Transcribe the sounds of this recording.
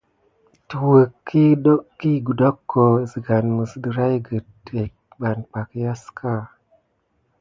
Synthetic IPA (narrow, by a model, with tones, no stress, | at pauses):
tu˨wə˨kːi˦kːi˦ɡu˨do˦kːo˨zə˨ɡa˨nmə˨sdə˨ɾa˦jɡə˨te˨k | ba˨nk͡pa˨kja˦ska˦